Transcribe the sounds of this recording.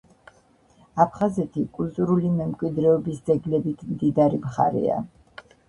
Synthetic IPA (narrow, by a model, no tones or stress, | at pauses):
apʰχazɛt̪ʰikʼult̪ʼuɾulimɛmkʼwid̪ɾɛɔbisd̪zɛɡlɛbit̪ʰmd̪id̪aɾimχa̰ɾɛ̰a̰